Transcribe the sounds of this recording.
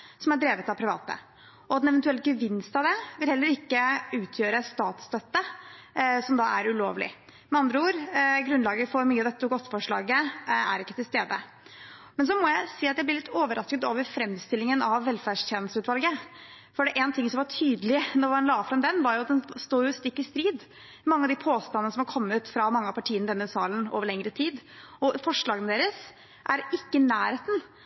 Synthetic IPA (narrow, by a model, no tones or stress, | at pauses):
sɔmæɖɾeːʋət̪ɑpʰɾɪʋɑ̰ːt̪ə̰ | ʔɔd̪ɛnɛʋɛnt̪ʉɛlːəɡəʋɪnst̪ɑʋd̪ɛʋɪlhɛlːəɾɪkːəʉːt̪ʰjøːɾəst̪ɑːt̪st̪œt̪ːə | sɔmd̪ɑʔæɾʉlo̰ːʋlɪ̰ | mɛɑnd̪ɾəuːɾɡɾʉnd̪lɑːɡəfɔɾmyːɑd̪ɛt̪ːʊɡɔt̪ːfɔʂɭɑ̰ːɡəæ̰ɾɪkːət̪ʰɪlst̪eːd̪ə̰ | mɛns̬ɔmɔjæɪsiːɑt̪jæblɪɾɭɪt̪ːoːʋəɾʔɑskət̪oːʋəɾfɾɛmːst̪ɪlːɪŋənɑʋːɛlfæɖʂt̪jeːnəst̪ʉːt̪ʋɑlɡə | fɔɖɛʔɛːnt̪ʰɪŋsɔmʋɑʈʰyːd̪əlɪnɔɾʋɑnlɑːfɾɑmd̪ɛnːʋɑɾjʊɑt̪̚d̪ɛnst̪oːjʊst̪ɪkːɪst̪ɾiːd̪ | mɑŋːəɑʋd̪ɪpʰoːst̪ɑnənəsɔmhɑɾkʰɔmːʉt̪fɾɑmɑŋːəɑpʰɑʈʰiːənəd̪ɛnːəsɑːləno̰ːʋəɭɛŋɾət̪ʰiːd̪ɔfɔʂɭɑːɡənəd̪eːɾəs | ʔæɾɪkːənæːɾheːt̪n̩